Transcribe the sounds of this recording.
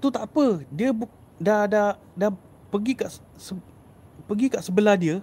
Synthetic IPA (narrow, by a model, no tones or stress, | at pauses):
t̪ut̪aʔpədiəbu | dada | da | pəɡikaʔsə | pəɡikaʔsəbəladiə